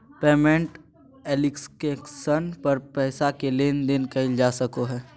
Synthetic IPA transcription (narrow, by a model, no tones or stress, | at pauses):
peːmẽɳʈ | eːlɪkskeksənpɐɾpɛːsakeleːnd̪ɪnkɐɪld͡ʒaːsɐkoɦɛː